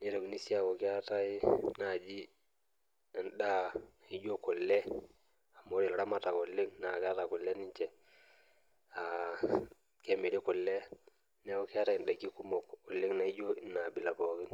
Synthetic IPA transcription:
ni˦ɾo˨kni˦si˦a˨ko˨ki˦a˦ta˦i˦na˨d͡ʒi˦˨ | nɗa˦na˨i˦d͡ʒo˦ko˨lːe˦ | a˨mo˦ɾi˨lɾa˦ma˦ta˨ko˨lːi˦ŋna˨ka˦ta˨ko˨lːe˦ni˦ɲt͡ʃe˨ | a˨ | ke˦mi˨ɾi˦ko˨lːe˦ | ne˦ko˦ki˦a˦ta˦i˨n˨ɗa˨ki˦ku˦mo˨kːo˨lːi˦ŋna˨i˦d͡ʒo˦i˨nːa˨bi˨la˨po˨˦ɡi˦n

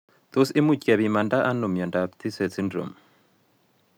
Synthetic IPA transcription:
t̪o˦sɪ˦mu˨cʼɛ˨βi˨ma˨nda˦ʔa˦nu˨mjɔ˨nda˨pt̪ʰi˦sɛ˨t͡sʰi˦ndɾo̰˨m

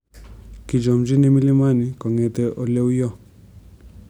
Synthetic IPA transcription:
ki˨d͡ʒɔ˨md͡ʒi˦nɛ˦mi˦li˦ma˦ni˨kɔ˨ŋɛ˨tɛ˦ʔɔ˨lɛ˦wjɔ˦˨

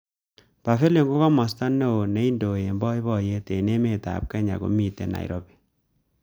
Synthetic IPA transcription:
pa˨fe˦le˨ŋɡo˦kɔ˦mɔ˨sta˦nːɛ˦o˨nɛ˨˦i˦ndo˨je˨mbɔ˦i˦βɔ˦˨je˦te˨ne˦me˦˨ta̰˨p̚kɛ˦ɲa̰˨ko̰˨mi˨te˨na̰˨ḭ˨ɾʔo˦bi˨

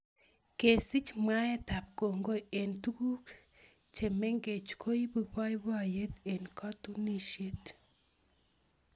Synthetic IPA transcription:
ke˨si˦t͡ʃma˦ɛ˦ta˨p̚ko˨ŋɡo˦e˨ntu˦ku˦k | t͡ʃe˨me˦ŋɡe˨t͡ʃkʰo˦i˦bu˨bɔ˦jba˦˨je˦te˨nkʰɔ˦tu˦ni˦ʃe˦t

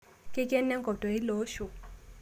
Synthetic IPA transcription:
ke˦kɛ˦nːɛ˦ŋɡʱɔ˨d̥ʱɔ˨i˦lo˨˦ʃu˨

